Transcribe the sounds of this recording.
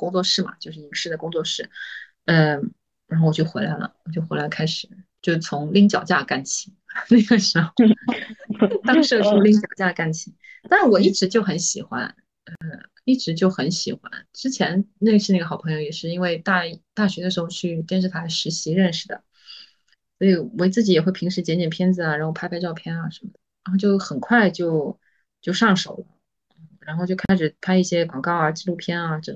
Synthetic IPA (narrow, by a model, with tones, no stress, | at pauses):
kʊ˥ŋt͡swɔ˥˧ʂɻ̩˥˩mɐ̰˩t͡ɕjo˥˧ʊʂ̬ɻ̩˥˩i˧˥ŋʂɻ̩˥d̪ə˨˩kʊ˥ŋt͡swɔ˥˧ʂɻ̩˥˩ | ə˥˧ | ɻa˧˥xo˥˩wɔ˨˩t͡ɕjxwe˧˥ɪla˧˥ɪlə̰˩wɔ˨˩t͡ɕjo˥˩ʊxe˧˥lɪ˩ə˧kʰa˥ɪʂɻ̩˨˩˦t͡ɕjo˥˧ʊʂ̩˥˩t͡sʰʊ˧˥ŋli˥ŋt͡ɕjɑ˨˩ʊt͡ɕja˥˩ka˥˩nt͡ɕʰi˨˩˦na˥˩ɪɡə˩ʂɻ̩˧˥xo˥˧ʊ | t̪ɑ˥ŋʂɤ˥˧t͡ɕo˥˧li˥ŋt͡ɕjɑ˨˩ʊt͡ɕja˥˧ka˥˩nt͡ɕʰi˨˩t̪a˥˩n˥wɔ˨˩i˥˩ʈ͡ʂɻ̩˧˥t͡ɕjo˥˩ʊxə˧˥nɕi˨˩xwa̰˥n | ə˧ | i˥˩ʈ͡ʂɻ̩˧˥t͡ɕjo˥˩ʊxə˧˥nɕi˨˩xwa̰˥nʈ͡ʂɻ̩˥t͡ɕʰjɛ˧˥nn˥˩ɡə˩ʂɻ̩˥˧a˥˩ɡə˩xɑ˨˩ʊpʰɤ˧˥jo˧ʊjɛ˨˩ʂɻ̩˥˩i˥nwe˥˧ɪt̪a˥˩˥t̪a˥˩ɕɥɛ˧˥d̪ə˧ʂɻ̩˧˥xo˥˧ʊt͡ɕʰy˥˧t̪jɛ˥˧nʂ̬ɻ̩˥˩t̪ʰa˥˧ʂɻ̩˧˥ɕi˧˥ɻə˥˩nʂɻ̩˨˩d̪ə̰˩ | swɔ˧˥i˨˧˩wt͡sɹ̩˥˩t͡ɕi˨˧˥jɛ˨˩we˥˩ɪpʰi˧˥ŋʂɻ̩˧˥t͡ɕjɛ˧˥nt͡ɕɛ˨˩npʰjɛ˥nd͡zɹ̩˨a˩ɻa˧˥nxo˥˧ʊa˥pʰa˥ɪɑ˥˧ʊpʰjɛ˥˩nɐ˨ʂə˧˥mə˧˩d̪̥ə˩ɻa˧˥xt͡ɕjo˥˩ʊxə˨˩nkʰwa˥˧ɪt͡ɕjo˥˧ʊ | t͡ɕjo˥˧ʊʂɑ˥˩ŋʂo˨˩ʊlə˦ | nn̩˥˩ɻa˧˥nxo˥˧t͡ɕjo˥˧ʊkʰa˥ɪʂɻ̩˨˩pʰa˥ɪi˥˩ɕjɛ˥kwɑ˨˩ŋkɑ˥˩ʊa˨˩t͡ɕi˥˧lu˥˧pʰjɛ˥nɐ˧ʈ͡ʂə˧˩